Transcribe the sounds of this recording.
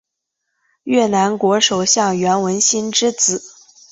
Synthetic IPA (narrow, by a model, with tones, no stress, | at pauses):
ɥɛ˥˩na˧˥nkwɔ˧˥ʂo˨˩ʊɕjɑ˥˩ŋɥɛ˧˥nwə˧˥nɕi˥nʈ͡ʂɻ̩˥t͡sɹ̩˨˩˦